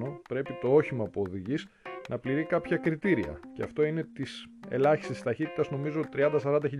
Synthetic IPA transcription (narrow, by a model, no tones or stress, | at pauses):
opɾe̞pit̪o̞o̞çimɐpuo̞ðiʝis | nʔɐpliɾikɐpçɐkɾit̪iɾiɐ̰ce̞ɐft̪o̞ine̞t̪is | e̞̰lɐçi̥st̪ist̪ɐçit̪i̥t̪ɐzno̞mizoot̪i̥t̪ɾiɐnd̪ɐsɐɾɐnd̪ɐçiʎ